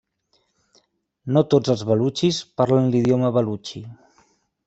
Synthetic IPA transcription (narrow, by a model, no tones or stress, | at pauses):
not̪od͡zəlˠzβəlut͡ʃispaɾlənliðjoməβəlut͡ʃi